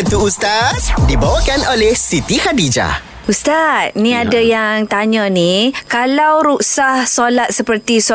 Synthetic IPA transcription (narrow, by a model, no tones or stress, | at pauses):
t̪uust̪at̪̚dibawakanʔolɛhsit̪ihadid͡ʒa̰ | ust̪at̪̚nĩadajaŋt̪aɲə̃nikalawɾuʔsahsolat̪̚səpərt̪is